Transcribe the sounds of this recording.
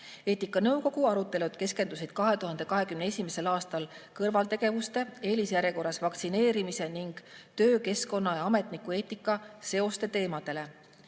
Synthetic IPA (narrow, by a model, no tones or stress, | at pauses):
e̞ːt̪ːˑikːˑɑnɤwko̞ɡ̥uɑɾut̪ˑːe̞lud̪̥ke̞ske̞nd̪usid̪̥kɑɦe̞t̪uɦɑnd̪e̞kɑɦe̞kymnee̞sʲimese̞lɑːst̪ɑlkɤrvɑlt̪e̞ɡ̥e̞vust̪e̞e̞ːlisjæɾjeko̞rːɑsvɑkt̪sine̞ːɾimise̞niŋɡ̥t̪ø̞ːke̞sko̞nːɑjɑɑme̞t̪ˑnikːue̞ːt̪ːˑikːˑɑse̞o̞st̪e̞t̪e̞ːmɑd̪̥e̞le̞